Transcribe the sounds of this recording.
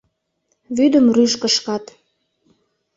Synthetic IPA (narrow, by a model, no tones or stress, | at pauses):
βyd̪əmryʃkəʃkɑt̪